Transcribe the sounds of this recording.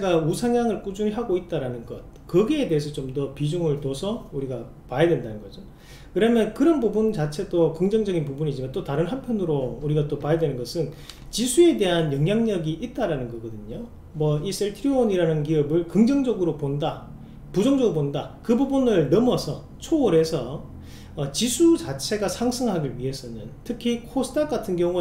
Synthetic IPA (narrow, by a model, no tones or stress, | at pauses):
eɡausʰaŋjaŋɯɭk͈ud͡ʑunɦaɡoit̚t͈aɾanɯnɡʌt̚kʌɡiedeɦes̬ʰʌt͡ɕomdʌpid͡ʑuŋɯɭtosʰʌuɾiɡa | pajʌdwe̞ndanɯnɡʌd͡ʑo | kɯɾʌmjʌnkɯɾʌnbubunt͡ɕat͡ɕʰe̞dokɯŋd͡ʑʌŋd͡ʑʌɡinpubuɲid͡ʑimant͈otaɾɯnɦanpʰjʌnɯɾouɾiɡat͈opajʌdwe̞nɯnɡʌsʰɯnt͡ɕisʰue̞de̞ɦanjʌŋɦjaŋɲʌɡiʔit̚t͈aɾanɯnɡʌɡʌdɯɲo | mwʌis͈eɭtʰiɾioniɾanɯnk̬iʌbɯɭkɯŋd͡ʑʌŋd͡ʑʌɡɯɾoponda | pud͡ʑʌŋd͡ʑʌɡɯɾopondakɯbubunɯɭnʌmʌsʰʌ | t͡ɕʰoːɾe̞sʰʌː | t͡ɕisʰut͡ɕat͡ɕʰe̞ɡasʰaŋsʰɯŋɦaɡiɭɥiɦe̞s͈ʰʌnɯntʰɯkʰikʰosʰɯ̥tʰak͈atʰɯnɡjʌŋu